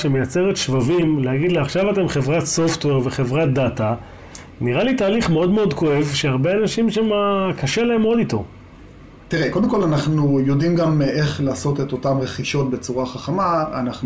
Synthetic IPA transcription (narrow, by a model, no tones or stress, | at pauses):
ʃeme̞jat͡se̞ʁet̪ʃvavimlehaɡid̪leaχʃavat̪e̞mχevʁatso̞ftwe̞ʁveχe̞vʁat̚data | niʁalitaːliχmeo̞dmeo̞dko̞e̞vʃeaʁbeanaʃimʃemakʰaʃelaemodito̞̰ | t̪iʁeko̞ld̪emko̞lanaχnujo̞dimɡameχlaːso̞teto̞tamʁeχiʃo̞t̚bet͡suʁaχaχamaanaχn